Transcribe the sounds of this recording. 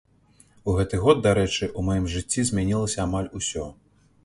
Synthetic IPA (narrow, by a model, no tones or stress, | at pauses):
uɣɛt̪ɨɣɔd̪̚d̪aɾɛt͡ʂɨʔumɔjimʐɨt͡sʲːizʲmʲanʲilˠɐsʲɐamalʲusʲɔ